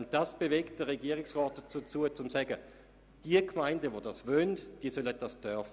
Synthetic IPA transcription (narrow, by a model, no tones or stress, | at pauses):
ʊnt̚d̥asb̥evekt̚d̥əʁeɡiəʁɪksʁɔːt̚ət͡sut͡suət͡sʊmsɛɡə | d̥iəkmaɪndəʋodasvønd̥iːəsølət̚d̥asd̥œɐfə